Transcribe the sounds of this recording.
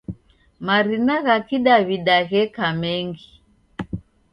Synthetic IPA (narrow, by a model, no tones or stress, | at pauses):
maɾinaɣakiɗaβiɗaɣɛkamɛŋɡi